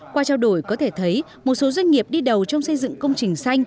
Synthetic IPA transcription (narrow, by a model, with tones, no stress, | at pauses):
kwaː˧t͡ɕaː˧wɗo˧˩jkɔ˨˦t̪ʰe˧˩t̪ʰə˨˦j | mo˨˩t̚so˨˦zwa˧jŋ̟ŋi˨˩əp̚ɗi˧ɗə˨˩wt͡ɕɔ˧wŋ͡msə˧jzɨ̰˧˨ŋkə˧wŋ͡mt͡ɕï˨˩ŋ̟sa˧jŋ̟